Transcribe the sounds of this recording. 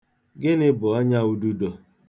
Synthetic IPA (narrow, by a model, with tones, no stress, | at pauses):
ɡɪ˦nɪ˦bʊ˨ɔ˦ɲa˦u˦˨du˦do˨